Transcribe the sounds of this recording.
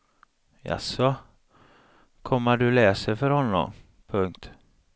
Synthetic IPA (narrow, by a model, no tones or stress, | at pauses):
ja̰sɔ | kʰɔmːəɖɵlɛːsəɾfœɾhɔnːɔ̰m | pʰɵŋkt̪